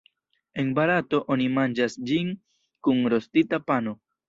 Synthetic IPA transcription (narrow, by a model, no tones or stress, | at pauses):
e̞nbaɾato̞ʔonimand͡ʒasd͡ʒin | kunɾo̞stitapano̞